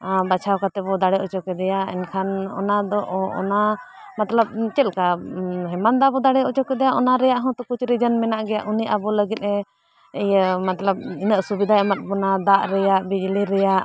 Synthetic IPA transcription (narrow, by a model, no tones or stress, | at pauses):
bat͡ʃʰawkat̪ɛbɔd̪aɽɛʔɔt͡ʃɔkɛd̪ɛjaɛ̰nkʰanɔ̰nad̪ɔʔɔ̰na | mat̪ləb̚t͡ʃɛlkaɦɛmand̪abɔd̪aɽɛɔt͡ʃɔkɛd̪ɛjaʔɔnaɾɛjaʔɦɔ̃t̪ɔkut͡ʃɾid͡ʒənmɛnaʔɡɛjaʔuniʔabɔləɡit̪̚ɛ | ɛjəmat̪ləb̚inəʔsubid̪ʱaɛmat̪̚bɔnad̪aʔɾɛjaʔbid͡ʒliɾɛjaʔ